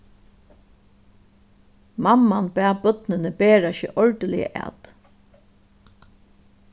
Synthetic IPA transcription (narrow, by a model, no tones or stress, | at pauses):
mamːanbæːbœt̪nɪnəbeːɹaɕɪ̰ʔɔɹd̪əlɪjə̰ʔæ̰ːt̪